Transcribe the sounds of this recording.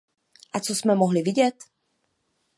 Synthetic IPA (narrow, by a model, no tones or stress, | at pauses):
ʔat͡sosmɛmoɦlɪvɪɟɛt̪